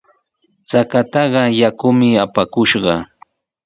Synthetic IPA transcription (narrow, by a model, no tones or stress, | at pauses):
t͡sakat̪ɑɢɑjakʊmɪapakʊʃɢɑ